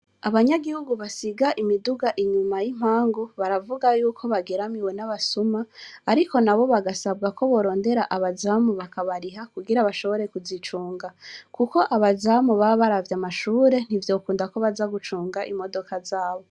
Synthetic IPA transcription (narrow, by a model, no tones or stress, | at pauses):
aβaɲaɡihuɡuβasiɡaʔimiduɡaʔiɲumajim̥aːŋɡoβaɾavuɡajuːkʰo̞βaɡeɾamiwe̞naβasumaːɾiko̞naβo̞βaɡasabɡako̞βo̞ɾo̞ːnde̞ɾaʔaβazamuβakaβaɾiɦakuɡiɾaβaʃo̞βo̞ɾe̞kuzit͡ʃuːŋɡakuko̞ʔaβazamuβaβaɾavjamaʃuːɾe̞n̥ivjo̞ːkuːndako̞βazaɡut͡ʃuːŋɡaʔimo̞do̞kʰazaːβo